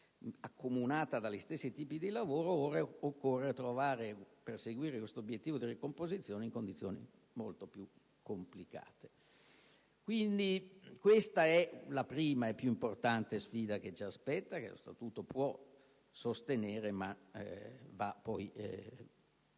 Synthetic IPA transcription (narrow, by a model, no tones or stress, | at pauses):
akʰːomunaːt̪ad̪alːist̪esːit̪iːpid̪ilavoːɾooreokːorːet̪ɾovaːɾe | perseɡwiːɾekwest̪objet̪ːiːvod̪irikompozit̪sːjoːneiŋkond̪it̪sːjo̰ːnḭ | molt̪opju | kʰːomplika̰ːt̪e̥ | kwind̪ikwest̪aɛlapɾiːmaɛpːjuimport̪ant̪esfiːd̪ak̟et͡ʃiaspɛt̪ːakḛlo̰st̪a̰t̪uːt̪opwɔ | sost̪eneːɾema | vapɔj